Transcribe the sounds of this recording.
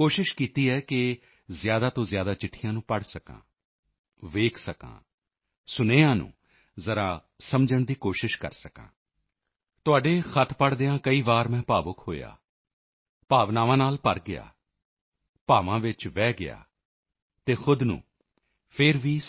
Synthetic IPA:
koːʃɪʃkiːt̪iːɦɛːkɪ | zɪjaːd̪aːt̪õːzjaːd̪aːt͡ʃɪʈʰːɪjãːnũːpəɽsəkã̰ː | ʋeːkʰsəkã̰ː | sʊneːãːnṵ̃ː | zəɾaː | səmd͡ʒəɳd̪iːkoːʃɪʃkə̰ɾsəkã̰ː | t̪ʊaːɖeːxʰət̪ʰpəɽd̪eãːkəiːʋaːɾmɛ̃ːpaːbʊkʰɦo̰ːja̰ː | paːʋnaːʋãːnaːlpəɾɡɪja̰ː | paːʋãːʋɪt͡ʃʋɛːɡɪja̰ː | t̪eːxʊd̪nṵ̃ː | pʰɪɾʋiː

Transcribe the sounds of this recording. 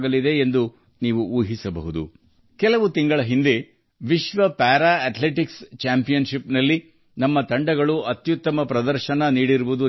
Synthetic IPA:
ɡɐlid̪e̞ːnd̪u | niːʋuuːɦisɐbɐ̰ɦud̪ṵ | kɛlɐʋut̪iŋɡɐɭɐɦind̪e̞ | ʋiʃʋɐpaːɾaɐʈ̪leʈikst͡ʃaːmpijɐnʃipnɐlːi | nɐmːɐt̪ɐɳɖɐɡɐɭuɐt̪jut̪ːɐmɐpɾɐd̪ɐɾʃɐnɐniːɽiɾuʋud̪u

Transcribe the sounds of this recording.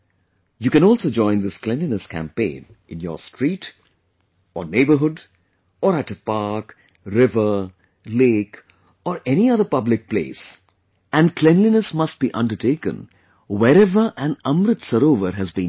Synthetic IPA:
juːkɨ̃nɔːlsoːd͡ʒɔ̃ɪ̃nd̪ɪsklɛ̃nlinəskʰæ̰̃mpẽɪ̃n | ʔɪ̃njɔ̰ːstʰɹiːʈ | ɔneɪbə˞ɦʊɖ | ɔːɾæʈəpaɹk | ɾɪvə˞ | leːk | ɔːɾɛniʌðəpʌblɪk̚plḛːs | æ̃nklɛ̃nlinəsmʌsʈ̚b̥iʔʌ̰̃nɖəʈeɪkə̰̃n | wɛɾɛvəɾʔæ̃nʌ̃mɾɪt̪səɾoːʋəɾɦæzbĩ

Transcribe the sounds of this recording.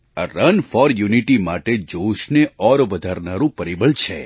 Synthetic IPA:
əɾənfɔɾjuniʈimaʈed͡ʒoʃneɔɾʋəd̪ʱaɾnaɾũpəɾibəɭt͡ʃʰe

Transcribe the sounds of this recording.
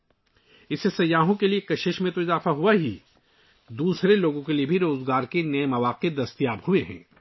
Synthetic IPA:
ɪsesɐjːaːɦõkeliekɐʃɪʃmẽt̪oɪzaːfaɦuaɦḭː | d̪uːsɾeloːɡõkeliebʱiɾoːzɡaːɾkenɐemɐʋaːqed̪ɐst̪jaːbhueɦɛ̰̃ː

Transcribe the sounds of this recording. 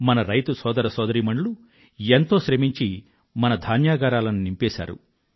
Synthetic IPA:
mɐnɐɾɐjt̪usɔːd̪ɐɾɐsɔːd̪ɐɾiːmɐɳlu | ent̪o̞ːʃɾemiɲt͡ʃi | mɐnɐd̪ʱaːnjaːɡaːɾaːlɐnunimpɛːʃa̰ːɾṵ

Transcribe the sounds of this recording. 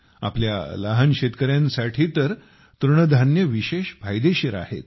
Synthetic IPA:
a̰plja̰laɦanɕet̪kəɾjãnsaʈʰiːt̪əɾ | t̪uɾɳəd̪ʱanjəʋiɕeɕbʱajd̪eɕiɾa̰hḛt̪̚

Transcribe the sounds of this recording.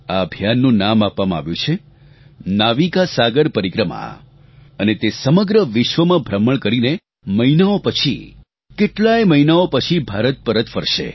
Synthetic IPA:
aəbʱjanːũnamapʋamãa̰ʋjũt͡ʃʰe | naʋikasaɡəɾpəɾikɾəma̰ | ənet̪esəməɡɾəʋɪʃʋəmãbʱɾəməɭkəɾine | məinaopət͡ʃʰḭ | keʈlajməinaopət͡ʃʰibʱaɾət̪̚pəɾət̪fəɾʃḛ

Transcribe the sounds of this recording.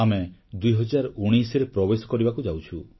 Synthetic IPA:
amed̪ujɦɔd͡ʒaɾɔuɽ̃ijsɔɾepɾɔbesɔ̥kɔɾibakud͡ʒawt͡ʃʰu

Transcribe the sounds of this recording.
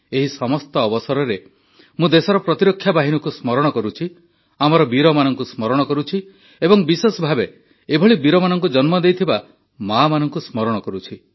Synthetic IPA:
eɦisɔmɔst̪ɔːbɔsɔɾɔɾe | mũd̪esɔɾɔpɾɔt̪iɾɔkʰːjabaɦinɔkusmɔɾɔɽ̃ɔkɔɾut͡ʃʰi | amɔɾɔbiɾɔmanɔŋkusmɔɾɔɽ̃ɔkɔɾut͡ʃʰi | ebɔŋbisesɔbʱabe | ebʱɔɭibiɾɔmanɔŋkud͡ʒɔnmɔd̪ejt̪ʰiba | mamanɔŋkusmɔɾɔɽ̃ɔkɔɾut͡ʃʰi

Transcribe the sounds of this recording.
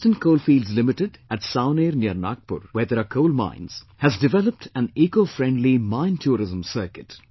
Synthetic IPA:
ʈə̃nkoːlfiːlɖzlɪmɪʈɪɖæʈsãʊ̃neːɾnjiəɾnaːk̚pʊ̰ɾʋeːd̪əɾakʰoːlmã̰ɪ̃nz̥ | hæzɖɪʋɛləp̚ʈʰæ̃neːkoːfɾɛ̃ɳɖlimãɪ̃ntʰjuːɾɪzə̃msəːɾkɪʈ

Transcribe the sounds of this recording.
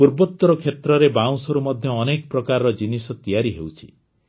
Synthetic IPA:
puɾbɔt̪ːɔɾɔkʰet̪ɾɔɾebaw̃sɔɾumɔd̪ʱjɔːnekɔpɾɔkaɾɔɾɔd͡ʒinisɔt̪ijaɾiɦewt͡ʃʰi̥̰

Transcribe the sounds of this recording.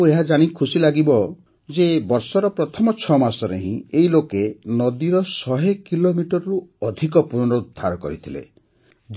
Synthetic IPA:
eɦad͡ʒaɽ̃ikʰusilaɡibɔ | d͡ʒebɔɾsɔɾɔpɾɔt̪ʰɔmɔt͡ʃʰɔmasɔɾeɦḭ̃eɦilokenɔd̪iɾɔsɔɦekilomiʈɔɾɔɾuɔd̪ʱikɔpunɔɾɔud̪ʱːaɾɔkɔ̰ɾit̪ʰilḛ | d͡ʒ

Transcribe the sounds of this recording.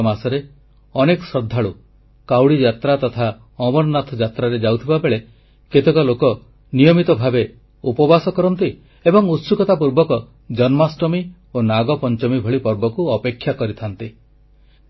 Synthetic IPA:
masɔɾe | ɔneksɔd̪ʱːaɭu | kawɽid͡ʒat̪ɾat̪ɔt̪ʰa | ɔbɔnnat̪ʰɔd͡ʒat̪ɾaɾed͡ʒawt̪ʰibabeɭe | ket̪ekɔlokɔ | nijɔmit̪ɔbʱabe | upɔbasɔkɔɾɔnt̪i | ebɔŋut̪sukɔt̪apuɾbɔkɔ | d͡ʒɔnmasʈɔmi | onaɡɔpɔnt͡ʃɔmibʱɔɭipɔɾbɔkuɔpekʰːjakɔɾit̪ʰant̪i

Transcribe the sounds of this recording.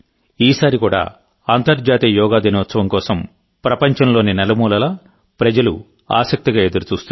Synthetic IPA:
iːsaːɾikuːɽa̰ː | aːnt̪ɐɾd͡ʒaːt̪iːɐjɔːɡaːd̪inɐʋɐt̪sɐʋɐmkɔːsɐm | pɾɐpɐɲt͡ʃɐnlo̞ːninɛlɐmuːlɐlɐ | pɾɐd͡ʒɐlṵ | a̰ːsɐk̚t̪iɡaːe̞d̪uɾut͡ʃuːst̪u

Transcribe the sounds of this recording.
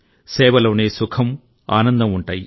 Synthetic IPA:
sɛːʋɐlo̞ːneːsukʰɐm | a̰ːnɐnd̪ɐmuɳʈaːji

